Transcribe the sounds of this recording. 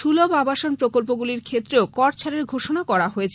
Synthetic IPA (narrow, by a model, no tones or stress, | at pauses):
ʃulobabaʃonpɾokolp̬oɡuliɾkʰet̪ːɾeokɔʈt͡ɕʰaɾeɾɡʱoʃonakɔɾaɦoet͡ɕʰ